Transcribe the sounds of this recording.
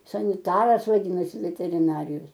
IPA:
sɐnʲɪˈtɑːrɐs ʋɐˈdʲiːnɐsʲɪ ʋʲɛtʲɛrʲɪˈnɑːrʲɪjoːs

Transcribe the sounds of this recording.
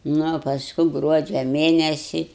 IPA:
ˈnʊ oː pɐsˈkʊ ˈɡruɔd͡ʒʲɛ ˈmʲeːnʲɛsʲɪ

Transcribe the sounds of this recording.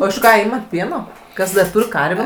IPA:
oː ɪʃ ˈkɑː ˈiːmɐt ˈpʲiɛnoː ˈkɐs dɐr ˈtuːrʲ ˈkɐrʲʋʲeː

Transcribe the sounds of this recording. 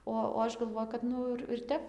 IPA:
ˈoː oː ˈɐʃ ɡɐlˠˈʋoːjʊ kɐt ˈnʊ ɪr ɪr ˈtʲɛp

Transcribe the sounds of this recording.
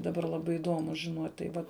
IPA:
dɐˈbɐr lˠɐˈbɐɪ ɪˈdoːmʊ ʒʲɪˈnoːtʲ tɐɪ ˈʋɐt

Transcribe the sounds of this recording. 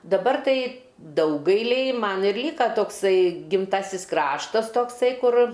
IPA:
dɐˈbɐr ˈtɐɪ ˈdɐʊɡɐɪlʲɛɪ ˈmɐn ɪr ˈlʲiːkɐ toːkˈsɐɪ ɡʲɪmˈtɑːsʲɪs ˈkrɑːʃtɐs ˈtoːksɐɪ ˈkʊr

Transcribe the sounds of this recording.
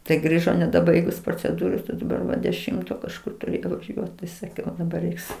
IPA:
tɐɪ ˈɡrʲiːʒoː nʲɛdɐˈbɐɪɡʊs proːt͡sʲɛˈduːroːs ɐ dɐˈbɐr ʋɐ dʲɛˈʃʲɪmtoː kɐʃˈkʊr ˈtʊrʲɪ ʋɐˈʒʲuɔt tɐɪ sɐˈkʲɛʊ dɐˈbɐr ˈrʲɛɪks

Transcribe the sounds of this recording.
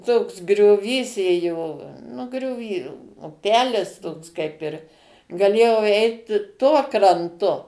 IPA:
toːks ɡrʲoːˈʋʲiːs ˈeːjoː nʊ ɡrʲoːˈʋʲiː ʊˈpʲæːlʲɪs toːks ˈkɐɪp ɪr ɡɐˈlʲeːjɛʊ ˈɛɪt ˈtuɔ krɐnˈtʊ

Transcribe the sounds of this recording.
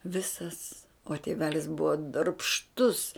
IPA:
ˈʋʲɪsɐs oː tʲeːˈʋʲæːlʲɪs ˈbʊʋɐ dɐrpʃˈtʊs

